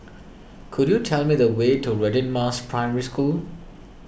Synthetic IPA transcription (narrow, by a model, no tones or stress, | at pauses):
kʰudjutʰɛlmid̪əwetʰuɹɛdɪ̃nmaspʰɹaɪmɛɹiskul